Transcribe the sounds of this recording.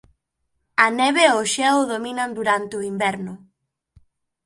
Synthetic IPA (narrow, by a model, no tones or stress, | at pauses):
ɐnɛβeoʃɛwðominɐnd̪uɾant̪eɪoimbɛɾnʊ